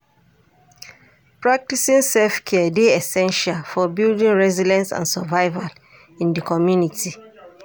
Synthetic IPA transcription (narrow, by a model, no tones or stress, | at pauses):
pɹak̚tisĩnsɛlfkʰɛdeɛsɛ̃nʃalfɔbildĩnɹɛzidɛ̃nsã̰nsavaɪval | ĩndəkʰɔmjuniti